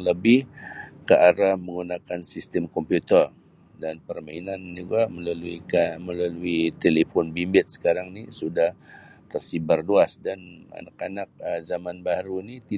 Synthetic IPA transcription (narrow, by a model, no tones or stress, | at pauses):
ləbɪhkəʔaɾahməŋunakansist̪əmkɔmpjut̪ər | danpərmainand͡ʒuɡaʔməlaluikməlaluit̪elefɔnbimbɪt̪̚sə̥kaɾaŋnisudaht̪ərsibarluasdana̰nakanak̚əzamanbaɾunit̪i